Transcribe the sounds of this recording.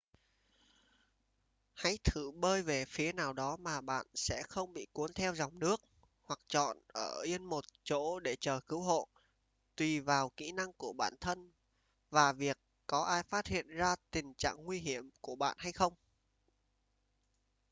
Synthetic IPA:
ha̰˧˥jt̪ʰɨ˧˩ɓəː˧jve˨˩fi˨˦naː˨˩wɗɔ˨˦maː˨˩ɓa̰ː˧˨nsɛ̰˧˥xə˧wŋ͡mɓḭ˧˨ku˨˦ənt̪ʰɛ˧wza˨˩wŋ͡mnɨ˦˥ək̚ | hwa˨˩k̚t͡ɕɔ̰˧˨nʔəː˧˩ʔi˧ənmo˨˩t̚t͡ɕo̰˧˥ɗe˧˩t͡ɕəː˨˩kɨ˨˦wɦo̰˧˨ | t̪wi˨˩vaː˨˩wkḭ˧˥na˧ŋku˧˩əɓa̰ː˧˩˨nt̪ʰə˧n | vaː˨˩vi˨˩əkːɔ˨˦ʔaː˧jfaː˦˥t̚hḭ˧˨ənzaː˧t̪ï˨˩ŋ̟t͡ɕa̰ː˧˨ŋŋwi˧ɦi˧˩əmku˧˩əɓa̰ː˧˨nha˧jxə˧wŋ͡m

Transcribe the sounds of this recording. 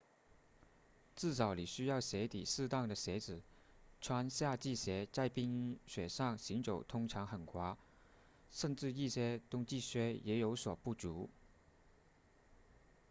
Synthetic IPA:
t͡sɹ̩˥˩t͡sɑ˨˧˥ʊli˨˩ɕy˥jɑ˥˩ʊɕjɛ˧˥t̪i˨˩sɹ̩˥˧t̪ɑ˥˩ŋd̪ə˩ɕjɛ˧˥t͡sɹ̩˨˩ | ʈ͡ʂʰwa˥nɕja˥˧t͡ɕi˥˩ɕjɛ˧˥t͡sa˥˩ɪpi˥ŋ˥ɕɥɛ˨˩ʂɑ˥˩ŋɕi˧˥ŋʈ͡ʂo˨˩ʊt̪ʰʊ˥ŋʈ͡ʂʰɑ˧˥ŋxə˨˩nkʰwa˥ | ʂə˥˧nʈ͡ʂɻ̩˥˧i˥˩ɕjɛ˥t̪ʊ˥ŋt͡ɕi˥˩ɕɥɛ˥jɛ˧˥jo˧˥ʊswɔ˨˩pu˥˩t͡su˧˥

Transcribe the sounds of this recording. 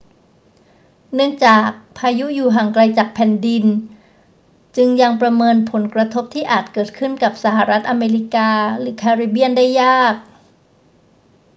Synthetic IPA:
nɯ˥˩əŋt͡ɕaː˨˩k̚pʰaː˧ju˦˥juː˨˩ɦaː˨˩ŋkɾa˧jt͡ɕaː˨˩k̚pʰɛ˨˩ndi˧n | t͡ɕɯ˧ŋja˧ŋpɾa˧mɤː˧npʰo˩˦nkɾa˧t̪ʰo˦˥p̚t̪ʰiː˥˩ʔaː˨˩t̪̚kɤː˨˩t̪̚kʰɯ˥˩nka˨˩p̚sa˩ɦa˨˩ɾa˦˥t̪̚ʔa˧meː˧li˦˥kaː˧ɾɯː˩˦kʰaː˧ɾiː˧˩bi˥ənda˥˩jːaː˥˩k̚

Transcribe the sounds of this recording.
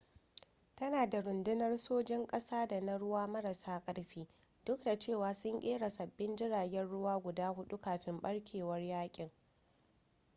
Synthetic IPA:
tɐ˦naː˨da˨ɾʊ˨ndɪ˦nɐ˦rsoː˦d͡ʒɪ˦ŋkʼɐ˦saː˦da˨na˦ɽʊ˦waː˦mɐ˦ɾɐ˨saː˦kʼɐ˦ɽɸiː˦ | dʊ˦k̚da˨t͡ʃeː˦˨waː˨sʊ˦ŋʔʲʼeː˦ɽa˨sɐ˨bːɪ˦nd͡ʒɪ˦ɽaː˨ɡʲɛ˦nɽʊ˦waː˦ɡʷʊ˨daː˦hʊ˦ɗu˦kaː˨ɸɪ˦mɓɐ˦ɽkʲʰeː˨wɐ˦rjaː˦kʲʼɪ˨ŋ

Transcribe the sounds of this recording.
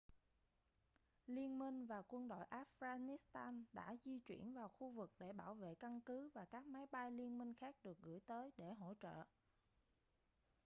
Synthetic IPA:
li˧ənmi˧ŋ̟vaː˨˩kwə˧nɗo̰˧˨jʔaː˦˥fɣaː˧ni˦˥st̪aː˧nɗa̰ː˧˥zi˧t͡ɕwḭ˧˩ənvaː˨˩wxu˧vɨ˨˩k̚ɗe˧˩ɓaː˧˩wvḛ˧˨ka˧nkɨ˨˦vaː˨˩kaː˦˥k̚ma˨˦jɓa˧jli˧ənmï˧ŋ̟xaː˦˥k̚ɗɨ˨˩ək̚ɣɨ̰˧˩əjt̪əː˨˦jɗe˧˩ɦo̰˧˥t͡ɕə̰ː˧˨ʔ

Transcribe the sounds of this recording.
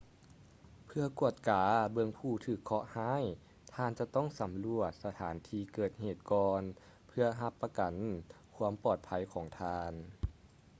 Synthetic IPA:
pʰɯ˧ɐku˧˩ət̪̚kaː˩˦bɯ˧əŋpʰuː˧˩t̪ʰɯː˧˩kʰːɔ˧˥ʔhaː˥˨j | t̪ʰaː˧nt͡ɕa˧t̪ɔ˥˩ŋsa˨˦mlu˧˩ət̪̚sa˧t̪ʰaː˩˦nt̪ʰiː˧kɤː˨˩t̪̚heː˨˩t̪̚kɔː˧n | pʰɯ˧ɐɦa˧˥pːa˧ka˨˩nkʰu˧˥əmpɔː˨˩t̪̚pʰa˧˥jkʰɔː˩˦ŋt̪ʰaː˧n

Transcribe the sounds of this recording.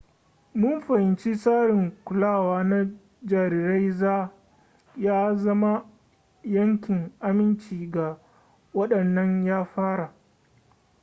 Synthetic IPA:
mʊ˦mɸɐ˨hɪ˨nt͡ʃi˦saː˦ɽɪ˨ŋkʷʊ˨laː˦˨waː˦na˦ | d͡ʒaː˨ɾi˨ɾe˦jzaː˦ | jaː˦zɐ˦ma˦ | jɐ˦ŋkʲɪ˨ŋʔa˦mɪ˦nt͡ʃiː˨ɡa˨ | wɐ˦ɗɐ˨nːɐ˦ɲjaː˦ɸaː˦ɽa˨ʔ

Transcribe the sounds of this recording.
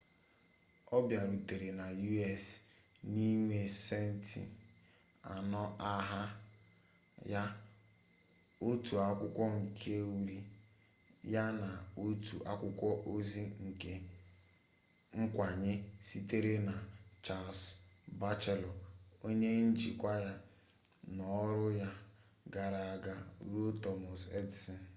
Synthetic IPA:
ɔ˦bja˨ɾi˨te˨ɾe˨na˨ju˦ɛ˦˨s | ni˦ŋʷe˨se˦n̩˦˨tḭ˨ | a̰˨nɔ˦a˦ɦa˦ | ja˦ | o˦tu˨a˦kʷʊ˦kʷɔ˦ŋ̩˨kʰe˦wu˦ɾi˦ | ja˦na˨o˦tʰu˨ʔa˦kʷʊ˦kʷɔ˦ʔo˦zi˦ŋ̩˨ke˦ | ŋ̩˦kʷa˨ɲɪ˦si˦te˦ɾe˦na˨t͡ʃa˨lsba˦t͡ʃe˨lɔ˨o˦ɲe˦n̩˦d͡ʒi˨kʷa˦ja˦ | nɔ˨˦ɾʊ˦ja˦ | ɡa˨ɾa˨ɡa˦ɾo˦tɔ˨mɔ˨se˦dsi˨n̩˨

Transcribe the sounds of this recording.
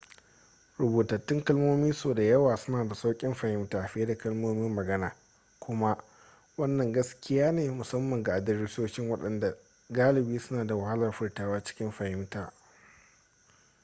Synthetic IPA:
ɾʊ˨boː˨tɐ˨tːɪ˦ŋkɐ˦lmoː˦miː˦soː˨da˨jɐ˦waː˨sʊ˦naː˨da˨sa˦wkʲʼɪ˦mɸa˨hɪ˦mtaː˨ɸɪ˦da˨kɐ˦lmoː˦mɪ˦mːɐ˨ɡɐ˦naː˨ | kʷʊ˦ma˦ʔ | wɐ˦nːɐ˨ŋɡɐ˦skʲɪ˦jaː˦neː˨mʊ˨sɐ˦mːɐ˨ŋɡa˨ʔa˨dɐ˦rɪ˦soː˦ʃɪ˦ŋwɐ˦ɗɐ˨nda˨ | ɡaː˦lɪ˨biː˦sʊ˦naː˨da˨wɐ˨ha˦lɐ˨rɸɪ˦rtaː˦waː˦t͡ʃɪ̥˦kʲɪ˦mɸa˨hɪ˦mtaː˨

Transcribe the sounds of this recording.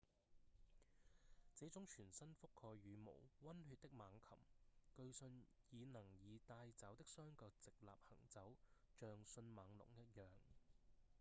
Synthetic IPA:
t͡seː˨˥t͡sʊ˨˥ŋt͡ʃʰyː˨˩nsɐ˥nfʊ˥kʰːɔː˧jyː˨˧mo̰˨˩wwɐ˥nhyː˧t̚t̪ɪ˥k̚maː˨˧ŋkʰɐ̰˨˩mkɵ˧ɥsɵ˧n | jiː˨˧nɐ˨˩ŋjiː˨˧t̪aː˧jt͡sɐ˨˥wt̪ɪ˥k̚sœː˥ŋkɔː˧k̚t͡sɪ˨k̚la̰ː˨p̚hɐ̰˨˩ŋt͡sɐ˨˥wt͡ʃœː˨ŋsɵ˧nmaː˨˧ŋlʊ̰˨˩ŋjɐ˥t̚jœː˨ŋ

